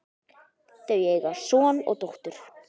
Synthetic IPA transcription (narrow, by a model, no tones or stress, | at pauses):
t̪œɥjɛeɣasɔːnɔ̰ɣt̪oht̪ʏɾ̥